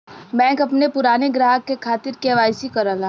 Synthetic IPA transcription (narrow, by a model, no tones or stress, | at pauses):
bɛ̃ːŋkɐpnepʊɾaːneɡɾaːɦəkːekʰaːt̪ɪɾkeʋaːɪsikɐɾəla